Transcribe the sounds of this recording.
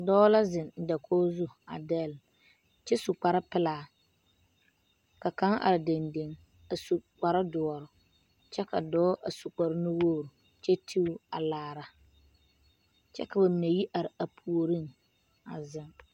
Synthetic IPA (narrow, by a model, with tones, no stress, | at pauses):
dɔː˦la˦zɪ˨n˨da˨kʰoː˦zu˦a̰˨dɛ˦˨l | t͡ʃɛ˦su˨k͡pa˨ɾa˦pɪ˦laː˨ | ka˨ka˦ŋʔa̰˨ɾɪ˨de˨nde˨ŋ | a˨su˨k͡pa˨ɾa˦dʊ˨ɔ˨ɾʊ˨ | t͡ʃɛ˦ka̰˨dɔː˦ʔa˨su˨k͡pa˨ɾɪ˦nɪ˦woː˦˨ɾʊ˨ | t͡ʃɛ˦tʰi˦u˦a˨laː˨ɾa˨ | t͡ʃɛ̰˦ka˨ba˨mɪ˨na˨ji˦ʔa˨ɾɪ˨a˨pʰu˨o˨ɾi˦˨ŋ | a̰˨zɪ˨ŋ